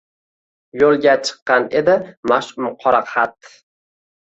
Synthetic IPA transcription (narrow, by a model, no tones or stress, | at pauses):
jolˠɡʲat͡ʃʰɨ̥qːɑne̞d̪ɪmaʃʊmqʰɒɾɑqhat̪